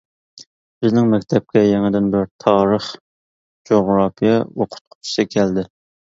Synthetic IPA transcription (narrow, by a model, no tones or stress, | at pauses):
b̥ɪznɪŋmɛkʲt̪ʰɛp̚kʲɛjeŋɪd̪ɪnbɪɾt̪ʰɑːɾəχ | d͡ʒoʁɾɑːpʰijɛoqʰʊ̥t̪̚qʰʊ̥t͡ʃʰi̥sɨkʲʰæld̪ɪ